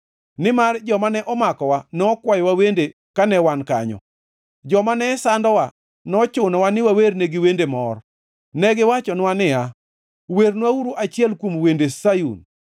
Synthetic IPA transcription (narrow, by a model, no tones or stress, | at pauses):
nɪmard͡ʒɔmanɛʔɔmakɔwanɔkwajwawende | kanɛwanka̰ɲɔ̰ | d͡ʒɔmanɛsandɔwa | nɔt͡ʃʊnɔwanɪwawerneɡɪwendemɔr | nɛɡɪwat͡ʃɔnwanɪa | wernwauɾuʔat͡ʃɪɛlkwomwendesajṵn